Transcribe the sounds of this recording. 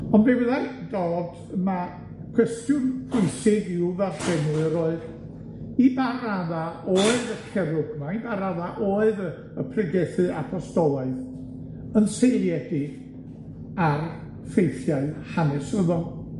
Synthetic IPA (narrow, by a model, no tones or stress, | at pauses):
ɔnbewəðadoːd | ma | kʰw̥ɛstjʊnpʰʊɨsɪɡɪwvardʰɛnlɨɾoːɨð | ibaɾaðaoːɨðəkʰɛɾʊɡmaibaɾaðaʔoːɨðə | əpʰrɨɡɛθɨapʰɔstɔlˠɔɨð | ənsejlˠjɛdɪ̥ | ar | fejθjaɨhanɪsrəðɔn